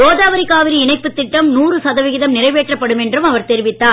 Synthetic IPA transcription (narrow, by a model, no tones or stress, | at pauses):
oːðaːʋɐɾikaːʋɪɾiɪɳɐɪpːɯt̪ːɪʈːɐmnuːrɯsɐðɐʋɪɣɪðɐmnɪrɐɪʋeːʈrɐpːɐɽɯmɛndrɯmɐʋɐɾt̪ɛɾɪʋɪt̪ːaː